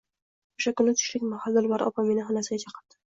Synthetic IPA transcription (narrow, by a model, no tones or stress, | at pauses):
oʃakʊnɪt̪ʰʊ̥ʃlɪkʲmahalˠd̪ɪlˠvaɾɒ̰pʰamenɪɦanasɪɡʲat͡ʃʰɑqʰɑ̥ɾd̪̥ɪ̥